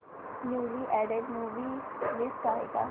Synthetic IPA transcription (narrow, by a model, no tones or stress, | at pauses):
njuːliʔɛːɖeɖmuːʋilɪskaːḛɡa̰